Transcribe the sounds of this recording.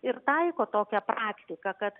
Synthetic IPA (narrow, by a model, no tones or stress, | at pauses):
ɪɾt̪ɐɪkoːt̪oːkʲɛpɾɑːkt̪ʲɪkɐkɐt̪